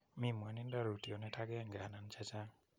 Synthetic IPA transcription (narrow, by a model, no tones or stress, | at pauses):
mimanindaɾutiɔnɛtʰaɡɛaŋɡanant͡ʃʰat͡ʃa